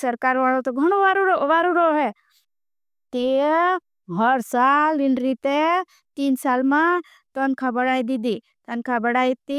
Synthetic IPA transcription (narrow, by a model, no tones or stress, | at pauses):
səɾkaɾʋaɭot̪oɡʱɐɽ̃oʋaɾoɾoʋaɾuɾoɦɛ | t̪e | ɦəɾsalinɾit̪e | t̪iːnsalmã | t̪ənkʰabəɽaid̪id̪i | t̪ənkʰabəɽait̪i